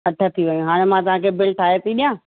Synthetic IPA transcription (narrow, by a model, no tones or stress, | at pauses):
ɦɐʈʰət̪ʰiʋɐjũɦaːɽ̃ẽmãt̪ɐʋ̤ãkʰebɪlʈʰaːɦet̪ʰiɗijãː